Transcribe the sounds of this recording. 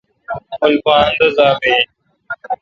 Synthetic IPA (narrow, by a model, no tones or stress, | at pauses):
ʊlfaːnd̪əzaːbeː